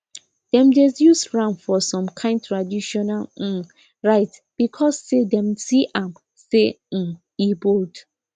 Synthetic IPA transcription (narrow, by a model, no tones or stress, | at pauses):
d̥ɛ̃mdɛsjusɹãnfɔsɔ̃mkʰãɪ̃nd̚tʰɹadiʃɔnal̩ | ɹaɪtb̥ikʰɔsːedɛ̃msiʔãm | se | ibod